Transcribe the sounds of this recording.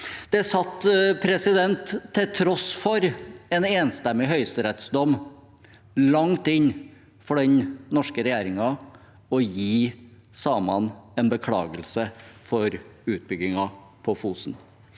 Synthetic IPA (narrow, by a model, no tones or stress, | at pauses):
d̪̥ɛsɑt̪ːpʰɾɛsɪd̪ɛnt̪ʰːɪlt̪ʰɾɔsfɔɾɛːneːnst̪ɛmːɪɦœʏst̪əɾɛt̪sd̪ɔm | lɑŋt̪ɪɲ | fɔɖɛnnɔʂkəɾɛjeːɾɪŋɑ | ɔjiː | sɑːmɑnɛːnbəkʰɽɑ̰ːɡəlsəfɔɾʉːt̪̚bʏɡɪŋɑ | pʰɔfuːsn̩